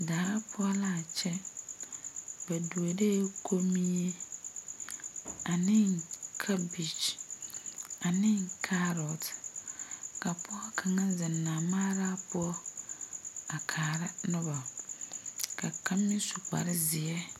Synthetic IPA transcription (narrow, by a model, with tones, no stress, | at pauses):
daː˨ɾa˦pʰʊ˦ɔ˦la˦˨t͡ʃɛ˦ | ba˨du˨o˨de˦kʰo˦mi˦e˦ | a˨nɪ˦ŋkʰa˦bi˨t͡ʃ | a˨nɪ˦ŋkʰa˦ɾɔ˨t | ka˨pʊ˦ɔ˦kʰa˨ŋa˦zɪ˨nːaː˨maː˦ɾa˦pʊ˦ɔ˦ | a˨kʰaː˨ɾa˦nʊ˦ba˨ | ka˨ka˦mnɪ˦su˨k͡pa̰˨ɾɪ˦zɪ˨ɛ˦